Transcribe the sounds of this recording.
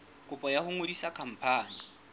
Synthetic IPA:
kʼʊpʼɔjahʊŋodisakʰam̩pʰaːni

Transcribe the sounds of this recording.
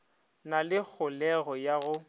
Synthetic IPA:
nalɪk͡xʰʊlɛɣɔjaɣʊ

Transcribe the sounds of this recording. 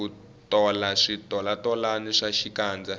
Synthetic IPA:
ku | tɔlaʂitɔlatɔlaniʂaʃikaːnd͡za

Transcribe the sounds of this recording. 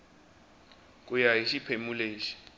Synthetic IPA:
k̬ʼujajiʃipʰemuleːʃi̥

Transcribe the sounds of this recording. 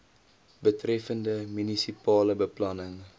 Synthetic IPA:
bətrɛfəndəmynisipɑːləbəplɐnəŋ

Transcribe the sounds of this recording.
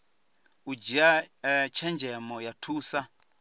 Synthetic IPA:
ud͡ʒiat͡ʃʰɛnd͡ʒɛmɔjatʰuːsa

